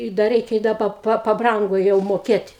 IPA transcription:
ɪ dɐ ˈrʲɛɪkʲɛ ɪ ˈdɐ pɐ pɐˈbrɐŋɡoː jɛʊ moːˈkʲeːtʲ

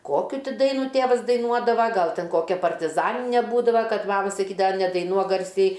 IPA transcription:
ˈkoːkʲʊ ˈtʲɪ ˈdɐɪnuː ˈtʲeːʋɐs dɐɪˈnuɔdɐʋɐ ˈɡɐlˠ ˈtʲɛn ˈkoːkʲɛ pɐrʲtʲɪˈzɑːnʲɪnʲɛ ˈbuːdɐʋɐ ˈkɐt ˈmɑːmɐ sɐˈkʲiːdɐʋɐ nʲɛdɐɪˈnuɔk ˈɡɐrʲsʲɛɪ

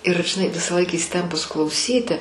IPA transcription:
ɪr ʒʲɪˈnɐɪ ʋʲɪsɑːˈlˠɐɪk iːsʲɪˈtʲɛmpʊs klˠɐʊˈsʲiːtʲɪ

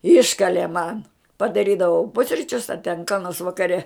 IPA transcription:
ˈɪʃkɐlʲeː mɐn pɐdɐˈrʲiːdɐʋɐʊ ˈpʊsʲrʲɪt͡ʃʲʊs ɐ tʲɛn kɐ noːrs ʋɐkɐˈrʲɛ

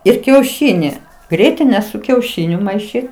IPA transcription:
ɪr kʲɛʊˈʃʲiːˈnʲɪ ˈɡrʲiɛtʲɪnʲɛ sʊ kʲɛʊˈʃʲɪnʲʊ mɐɪˈʃʲiːt

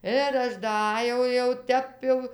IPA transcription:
ɪr ˈɐʃ dɐˈɑːjɛʊ jɛʊ ˈtʲɛp jɛʊ

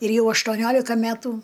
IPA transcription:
ɪr ˈjɛʊ ɐʃtuɔˈnʲoːlʲɪkɐ ˈmʲætʊ

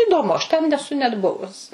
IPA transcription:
iːdoːˈmʊ ɐʃ tʲɛn nʲɛˈsʊ nʲɛt ˈbʊʋʊs

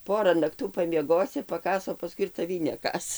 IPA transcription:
ˈpoːrɐ nɐkˈtuː pɐmʲiɛˈɡoːsʲɪ pɐˈkɑːs oː pɐˈskʊɪ ɪr tɐˈʋʲiː nʲɛˈkɑːs

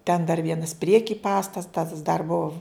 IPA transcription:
tʲɛn dɐr ˈʋʲiɛnɐs ˈpʲrʲiɛkʲɪ ˈpɑːstɐtɐs dɐr bʊw

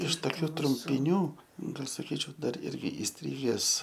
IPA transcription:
ɪʃ toːˈkʲuː trʊmʲpʲɪˈnʲuː ˈɡɐlʲ sɐˈkʲiːt͡ʃʲɛʊ ˈdɐr ˈɪrʲɡʲɪ ɪsʲˈtʲrʲɪɡʲɛs

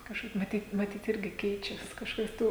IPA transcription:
kɐʃˈkɐɪp mɐˈtʲiːt mɐˈtʲiːt ˈɪrʲɡʲɪ ˈkʲɛɪt͡ʃʲɛs kɐʃˈkɐɪp ˈtuː

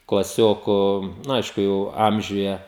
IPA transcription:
klˠɐˈsʲoːkʊ nʊ ˈɐɪʃkʊ jɛʊ ˈɐmʲʒʲʊjɛ

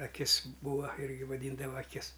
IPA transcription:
ɐˈkʲɪs ˈbuːɐ ˈɪrʲɡʲɪ ʋɐˈdʲiːndɐʋɐ ɐˈkʲɪs

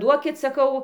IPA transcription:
ˈduɔkʲɪt sɐˈkɐʊ

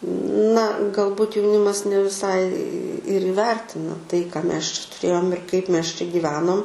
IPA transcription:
nɐ ɡɐlˠˈbʊt jɛʊˈnʲɪmɐs nʲɛ ʋʲɪˈsɐɪ ɪr iːˈʋʲɛrʲtʲɪnɐ tɐɪ kɑː ˈmʲɛs t͡ʃʲɛ tʊˈrʲeːjoːm ɪr ˈkɐɪp ˈmʲɛs t͡ʃʲɛ ɡʲiːˈʋʲæːnoːm

